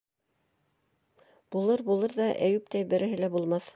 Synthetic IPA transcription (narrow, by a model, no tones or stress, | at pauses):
b̥ulˠɤɾbulˠɤɾðɑʔæjʉp̚t̪æjbɘ̆ɾɘ̆ɦɘ̆læbulˠmɑθ